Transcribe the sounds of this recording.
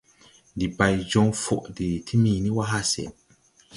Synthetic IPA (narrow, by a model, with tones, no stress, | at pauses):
ndi˨pa˨jd͡ʒɔ˦ŋfo˨ʔdi˨tʰi˦mi˨ni˦wa˦ɦa˦sɛ̰˨